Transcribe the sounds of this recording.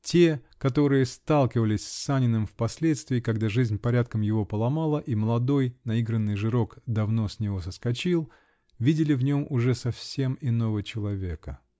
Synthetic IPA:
tʲe̞kɐt̪o̞ɾɨjəst̪alˠkʲɪvəlʲɪsʲsanʲɪnːɨmfpɐsʲlʲet̪st̪vʲɪːkɐɡd̪aʐɨzʲnʲpɐɾʲat̪̚kəmjɪvo̞pəlˠɐmalˠəʔiməlˠɐd̪o̞jnɐiɡɾənːɨjʐɨɾo̞kd̪ɐvno̞sʲnʲɪvo̞səskɐt͡ɕilˠ | vʲidʲɪlʲɪvnʲo̞mʔʊʐɛsɐfsʲe̞mɪno̞vət͡ɕɪlˠɐvʲe̞kə

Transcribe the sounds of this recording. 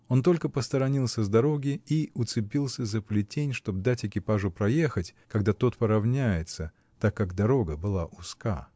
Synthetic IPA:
o̞nt̪o̞lʲkəpəst̪əɾɐnʲilˠsʲəzd̪ɐɾo̞ɡʲɪiʊt̪sɨpʲilˠsʲəzəpəlʲɪtʲenʲʂt̪o̞b̚d̪atʲɪkʲɪpaʐʊpɾɐje̞xətʲkɐɡd̪at̪ot̪pəɾɐvnʲæjɪt̪sə | t̪akːaɡd̪ɐɾo̞ɡəbɨlˠaʔʊska̰

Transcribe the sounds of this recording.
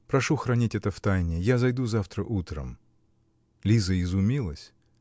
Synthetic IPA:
pɾɐʂuxɾɐnʲitʲɛt̪əft̪ajnʲɪjazɐjd̪uzaft̪ɾəʔut̪ɾə̰m | lʲizəɪzʊmʲilˠəsʲ

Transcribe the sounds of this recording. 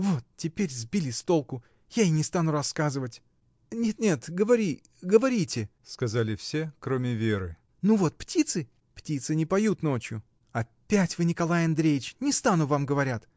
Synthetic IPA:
vo̞t̪̚tʲːɪpʲeɾʲzbʲilʲɪst̪o̞lˠkʊ | jaɪnʲɪst̪anʊrɐskazɨvətʲ | nʲet̪nʲe̞t̪ɡəvɐɾʲi | ɡəvɐɾʲitʲɪskɐzalʲɪfsʲe̞kɾomʲɪvʲeɾɨ̰ | nuvo̞t̪̚ptʲit̪sɨ | ptʲit̪sɨnʲɪpɐjut̪no̞t͡ɕjʊ | ɐpʲːætʲvɨnʲɪkɐlˠajɐnd̪ɾʲejɪt͡ɕnʲɪst̪anʊvamɡəvɐɾʲat̪

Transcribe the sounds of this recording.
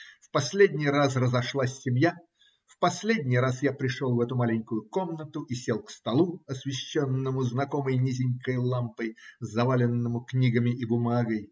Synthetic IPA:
fpɐsʲlʲedʲnʲɪjrasrəzɐʂlˠasʲːɪmʲja | fpɐsʲlʲedʲnʲɪjɾasjapɾʲɪʂolˠvɛt̪ʊmalʲɪŋʲkʊjʊko̞mnət̪ʊʔisʲe̞lˠkst̪ɐlˠuɐsʲvʲɪɕːonːəmʊznɐko̞məjnʲizʲɪŋʲkəjlˠampəjzɐvalʲɪnːəmʊknʲiɡəmʲɪʔibʊmaɡəj

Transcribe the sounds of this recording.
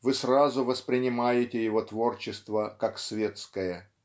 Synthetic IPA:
vɨsrazʊvəspɾʲɪnʲɪmajɪtʲɪjɪvo̞t̪vo̞rt͡ɕɪst̪vəkaksvʲe̞t̪skəjə

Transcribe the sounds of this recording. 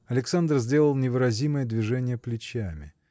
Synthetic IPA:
ɐlʲɪksand̪rzʲdʲe̞lˠəlˠnʲɪvɨɾɐzʲiməjəd̪vʲɪʐɛnʲɪjəplʲɪt͡ɕæmʲɪ̰

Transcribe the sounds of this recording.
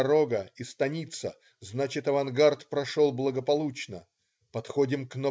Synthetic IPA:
ɾo̞ɡəist̪ɐnʲit̪sə | znat͡ɕɪt̪ɐvɐnɡart̪pɾɐʂolˠblˠəɡəpɐlˠut͡ɕnə̰ | pɐt̪xo̞dʲɪmkno

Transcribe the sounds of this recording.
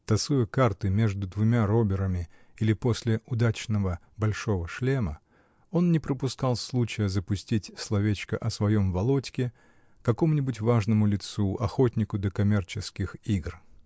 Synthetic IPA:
t̪ɐsujʊkart̪ɨmʲe̞ʐd̪ʊd̪vʊmʲaɾo̞bʲɪɾəmʲɪ | ilʲɪpo̞sʲlʲɪʊd̪at͡ɕnəvə | bɐlʲʂo̞vəʂlʲemə | o̞nnʲɪpɾəpʊskɑlˠslˠut͡ɕɪjəzəpʊsʲtʲitʲslˠɐvʲet͡ɕkəʔɐsvɐjo̞mvɐlˠo̞tʲkʲɪ | kɐko̞mʊnʲɪbʊt̬ʲvaʐnəmʊlʲɪt̪suʔɐxo̞tʲnʲɪkʊd̪əkɐmʲe̞rt͡ɕɪskʲɪxiɡr

